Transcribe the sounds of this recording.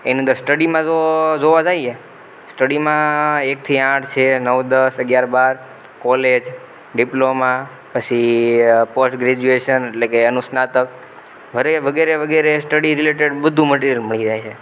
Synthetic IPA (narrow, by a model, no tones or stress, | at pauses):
ḛnĩənd̪əɾsʈəɽimãd͡ʒod͡ʒoʋad͡ʒaje | sʈəɽimãek̚t̪ʰiãʈʰt͡ʃʰenəʋd̪əsəɡjaɾbaɾ | kɔled͡ʒ | ɖiploma | pət͡ʃʰipəsʈɡɾed͡ʒueʃəneʈlekeənusnat̪ək | ʋəɾeʋəɡeɾeʋəɡeɾesʈəɽiɾileʈ̬eɖbəd̪ʱũməʈ̬eɾijəlməɭid͡ʒajt͡ʃʰe